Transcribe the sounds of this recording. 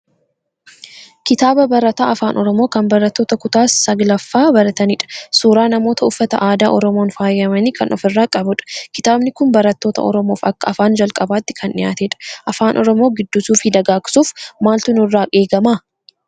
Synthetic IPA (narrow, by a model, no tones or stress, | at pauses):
kɪt̪aːbɐbɐɾɐt̪a̰ːɐfaːnʔɔɾɔmo̞ːkɐmbɐɾɐt̪ːo̞ːt̪ɐkʊt̪aːsːɐɡlɐfːaːbɐɾɐt̪ɐnɪᶑɐ̥suːɾaːnɐmo̞ːt̪ɐʊfːɐt̪ɐʔaːd̪aːʔɔɾɔmo̞ːnfaːjɐmɐniːkɐnʔɔ̰fɪrːaːkʼɐbʊᶑɐ̥kɪt̪aːbnɪkʊnbɐɾɐt̪ːo̞ːt̪ɐ̰ʔɔ̰ɾɔmo̞ːfɐkːɐɐfaːnd͡ʒɐlkʼɐbaːt̪ːɪ̥kʰɐnɪjaːt̪eːᶑɐ̥ʔɐfaːnʔɔɾɔmo̞ːɡɪd̪ːʊsuːfɪd̪ɐɡaːkʼɪ̥suːfmaːlt̪ʊnʊrːaːʔeːɡɐmaː